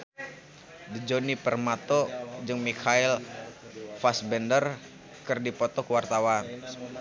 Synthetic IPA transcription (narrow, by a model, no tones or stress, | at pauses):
dəd͡ʒonipərmat̪ɔd͡ʒɨŋmikʰail | fasbɛndər | kɨrdipɔt̪ɔkuwart̪awan